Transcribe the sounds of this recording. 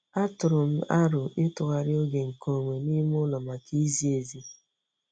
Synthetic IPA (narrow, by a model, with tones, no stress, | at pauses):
a˦tʊ˨ɾʊ˨m̩˦a˦ɾʊ˨ʔɪ˦tʊ˨ɣa˨ɾɪ˦o˦ɡe˨ŋ̩˨ko˨ŋʷe˨ni˦m˦ʊ˦lɔ˨ma˨ki˦zi˦e˨zi˦